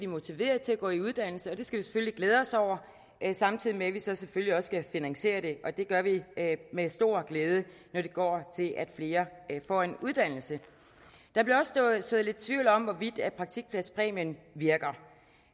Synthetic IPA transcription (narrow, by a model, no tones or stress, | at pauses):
dimo̝t͡sʰiʋe̝̰ːɐð̩ˠt͡sʰe̝læɡ̥ɔ̰ːiuð̞ˠd̥æn̰l̩səɒ̽d̥e̝sɡ̥æʋise̥følliɡ̥leːð̞ˠɒ̽sɒʊ̰ɐ | sɑ̈mt͡sʰið̞̰ˠimeʋisɒ̽sefølliɒ̽sɡ̥æfinæŋse̝̰ːɐɾ̥e̝ʔɒ̽d̥e̝ɡ̥ɶɐʋimesd̥o̝ɐ̰ɡ̥leːð̞ˠə | nɒɾ̥e̝ɡ̥ɒ̰ːt͡sʰe̝lʔæd̥fle̝ːɐfɒ̰ːe̝nuð̞ˠd̥æn̰l̩sə | d̥ɑ̈b̥liɐɒ̽sso̽ːð̩ˠle̝d̥̚t͡sʰʋiʊlɒ̽mʋɒʋid̥æd̥̚pʰʁɑ̈ɡ̥̚t͡sʰiɡ̥̚pʰlæspʰʁɛ̰ːmənʋiɐɡ̥ɐ